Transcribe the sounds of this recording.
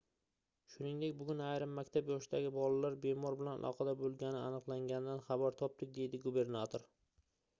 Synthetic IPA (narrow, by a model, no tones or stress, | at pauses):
ʃʊnɪŋd̪ek̚ʲbʊɡʲʊnajɾɪmːakʲt̪ʰapjɒʃɪd̪aɡʲɪbɒlalaɾbe̞mɒɾbɪlana̰lˠɒ̰qʰɑd̪abolˠɡʲanɪanɨqlˠaŋɡʲanɪd̪anχɑbaɾt̪ʰɒp̚d̪ɪk̚ʲd̪e̞jd̪ɪɡube̞ɾnat̪ʰoɾ